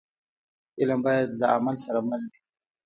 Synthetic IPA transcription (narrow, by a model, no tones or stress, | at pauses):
ɪlambɑːjad̪laamalsaɾamalbi